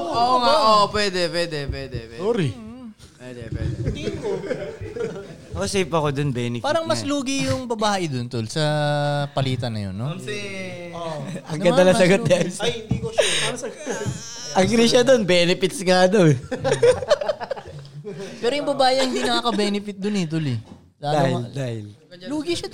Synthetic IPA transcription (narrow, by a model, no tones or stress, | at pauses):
oʔoŋaʔoʔpwɛd̪ɛpwɛd̪ɛpwɛd̪ɛwɛsoːɾi | wɛd̪ɛpwɛd̪ | ɐʔosejpɐkod̪onbɛnɪpaːɾɐŋmɐsluːɡɪjʊŋbɐbaːʔɪd̪ont̪olsɐpɐliːt̪ɐnɐ̰jo̰nːo | oʔɐŋɡɐd̪ɐlɐsɐɡot̪̚aɪd̪iko | ʔɐŋɡɾiʃɐd̪onbɛːnɪpɪt̪̚sŋad̪ow | pɛːɾojʊŋbɐbaːjɐhɪnd̪iːnɐkaːkɐbɛːnɪfɪt̪̚d̪ʊnɛt̪ʊlɪ | sad̪aːhɪld̪aːhɪlluːɡɪʃɐ